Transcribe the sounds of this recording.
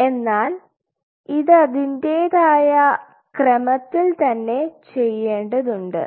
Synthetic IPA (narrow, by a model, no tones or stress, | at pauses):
e̞nːaːl | iðɨɐðinde̞ːðaːjɐ | krɐmɐt̪ːilt̪ɐnːe̞t͡ɕe̞jːe̞ːɳɖɐðuɳɖɨ̰